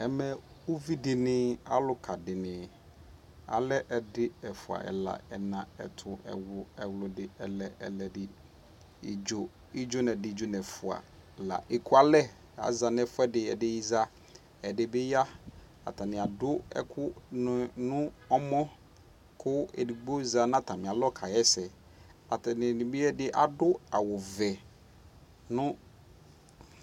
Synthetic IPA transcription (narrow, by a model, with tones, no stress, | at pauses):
ɛ˨mɛ˨ | o˦vi˦dɪ˨nɪ̃˦a̰˦lʊ˦kʰa˨dɪ˨nɪ̃˨ | a̰˨lɛ˦ʔɛ˨dɪ˦ɛ˨fʊ˨a̰˨ʔɛ̰˨la̰˨ɛ˨nã˨ɛ̰˨tʰʊ˨ɛ̰˨wʊ˨ɛ˨wlʊ˨dɪ˦ɛ˨lɛ˨ʔɛ̰˨lɛ˨dɪ˦ | ḭ˨d͡ʒo˨ | i˦d͡ʒo˦nɛ̃˨dɪ˦˨d͡ʒo˦nɛ̃˨fʊ˨a̰˨ | la̰˨ʔe˨kʰu˦a˨lɛ˦ | a̰˨za˨nɛ̃˦fʊ˦ɛ˦dɪ˨ɛ˨dɪ˦ji˦za˦ | ɛ˨dɪ˨bɪ˦ja˦ | a̰˨tʰa˨nɪ̃˨a˨dʊ˦ɛ̰˦kʰʊ˦ | nʊ̃˦ɔ˦mɔ̃˦ | kʰʊ˦ḛ˨di˨ɡ͡bo˦za˨nã˦tʰa˨mɪ̃˨a˨lɔ˦˨kʰa˨jɛ˦sɛ˨ | a˨tʰa˨nɪ̃˨nɪ̃˨bɪ˦ɛ˦dɪ˦ʔa˨dʊ˦a˨wɔ˨vɛ˨ | nʊ̃˦